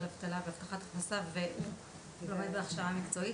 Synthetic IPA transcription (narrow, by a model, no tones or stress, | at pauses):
lavt̪alaveavt̪aχat̪aχnasave | lomed̪beaχʃaamikt͡so̞i